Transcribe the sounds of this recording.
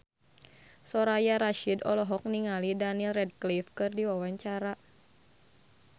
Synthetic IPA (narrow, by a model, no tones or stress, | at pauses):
sɔɾajaɾaʃidɔlɔɦɔk̚niŋalidanilrɛd̚klifkɨrdiwawaɲt͡ʃaɾa